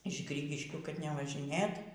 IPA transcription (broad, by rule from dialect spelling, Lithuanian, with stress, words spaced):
ɪʃ ˈɡrʲiːɡʲɪʃʲkʲuː kɐt nʲɛʋɐʒʲɪˈnʲeːt